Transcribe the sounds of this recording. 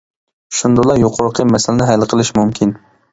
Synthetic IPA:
ʃʊnd̪ʊlˠaɾjoqʰoɾqʰɨmasalɪnɪɦajlˠqʰɨlˠɪʃmʊmkʲʰɪn

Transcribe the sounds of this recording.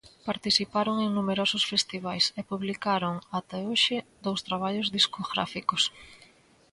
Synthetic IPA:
paɾt̪isipaɾoŋeŋnumeɾosʊsfest̪iβ̞ajsepuβlikaɾʊŋat̪ɛoʃɪd̪owst̪ɾaβ̞aʎozðiskoɣɾa̰fikos

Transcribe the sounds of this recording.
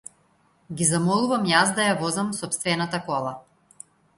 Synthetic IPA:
ɡizamɔlˠuvamjasd̪ajavɔzamsɔpst̪vɛnat̪akɔlˠa

